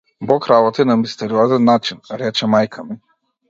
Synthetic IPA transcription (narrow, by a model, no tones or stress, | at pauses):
bɔkɾabɔt̪inamist̪ɛɾiɔzɛnːat͡ʃinɾɛt͡ʃɛmajkʰami